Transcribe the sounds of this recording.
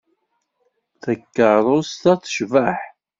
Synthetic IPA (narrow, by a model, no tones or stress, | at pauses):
θəkːəɾˤost̪æθə̥ʃvəħ